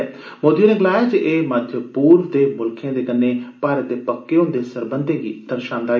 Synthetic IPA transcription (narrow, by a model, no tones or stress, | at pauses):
moːd̪ijonẽɡlaːjaːd͡ʒʔeːməd̪ʱjəpuːɾʋd̪eːmʊlkʰẽãːd̪eːkənːeːpaːɾət̪̚d̪eːpəkːeːʊ̃nd̪eːsəɾbənd̪ẽːɡiːd̪̥əɾʃãːnd̪aː